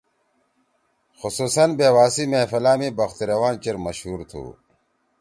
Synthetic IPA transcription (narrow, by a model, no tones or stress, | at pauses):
xusuːsɐnbeːwaːsimeːfɐlaːmibɐxt̪iɾɐwaːnt͡ɕeɾmɐɕhuːɾt̪ʰṵː